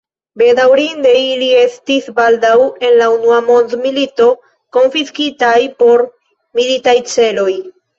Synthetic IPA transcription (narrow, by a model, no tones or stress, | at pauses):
be̞dawɾinde̞ilie̞stisbaldawe̞nlaunuamo̞ndmilito̞ | ko̞nfiskitajpo̞ɾ | militajt͡se̞lo̞j